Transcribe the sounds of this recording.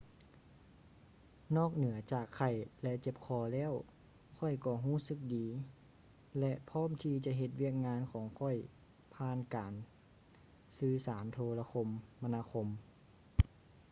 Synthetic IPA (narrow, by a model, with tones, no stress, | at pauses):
nɔː˥˩k̚nɯ˩˦ɐt͡ɕaː˨˩kʰːa˧˩jlɛ˧ʔt͡ɕe˧˦p̚kʰɔː˧˩lɛː˧˥˨w | kʰɔ˧˩jkɔː˧˩ɦuː˧˥˩sɯ˧˥k̚diː˨˦ | lɛ˧ʔpʰɔː˧˥˨mt̪ʰiː˧t͡ɕa˧ɦe˧t̪̚wi˧˥˩ək̚ŋaː˧˥˨nkʰɔː˩˦ŋkʰɔ˧˩j | pʰaː˧˥˨nkaː˨n | sɯː˧saː˩˦nt̪ʰoː˧la˧kʰo˧mːa˧naː˧˨kʰo˧m